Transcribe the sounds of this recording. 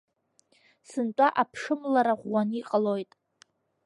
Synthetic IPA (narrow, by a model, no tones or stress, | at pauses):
sɨntʷʼaʔapʰʂɨmlaɾaʁʷːaniqʼalojtʼ